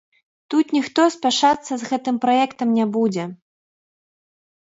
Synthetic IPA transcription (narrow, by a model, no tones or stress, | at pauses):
t̪ut̪nʲixt̪ɔsʲpʲaʂat̪sːɐzɣɛt̪ɨmpɾajɛkt̪ɐmnʲabud͡zʲɛ